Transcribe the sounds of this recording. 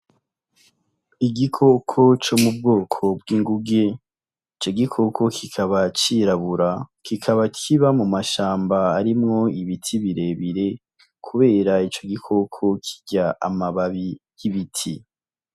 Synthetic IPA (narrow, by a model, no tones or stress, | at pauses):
iɡikʰo̞kʰo̞t͡ʃomub̚ɡoːkʰo̞b̚ɡiːŋɡuɡe̞ | it͡ʃo̞ɡikʰo̞kʰo̞kʰikʰaβat͡ʃiɾaβuɾakikʰaβakʰiβamumaʃaːmbaːɾimŋo̞iβitʰiβiɾe̞βiɾe̞ | kʰuβe̞ːɾait͡ʃo̞ɡikʰo̞kʰo̞kʰi̥ɟaa̰maβaβijiβitʰi